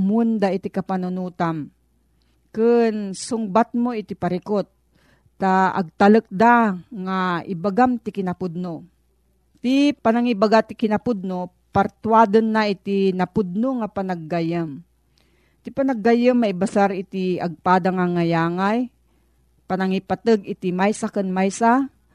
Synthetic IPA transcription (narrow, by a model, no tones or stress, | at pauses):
mund̪ait̪ikapanʊnuːt̪am | kɨnsʊŋbat̪̚moɪt̪ipaɾɪkot̪̚ː | aɐ̰ɡ̚t̪alək̚d̪aŋaɪ̰baɡamt̪ɪkɪnapʊd̪̚no | t̪ipanaŋibaɡat̪ɪkɪnapʊd̪̚no | paɾt̪wad̪ɨnːaʔɪt̪inapud̪̚noŋapanaɡːajəm | t̪ɪpanaɡːajəmːaibasaɾɪt̪iaɡ̚paːd̪aŋaŋːajaːŋaj | panaŋipat̪ɨɡɪt̪imajsakɨnmajsa